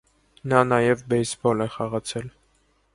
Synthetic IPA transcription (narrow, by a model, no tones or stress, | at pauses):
nɑnɑjɛvbɛjsbɔlɛχɑʁɑt͡sʰɛl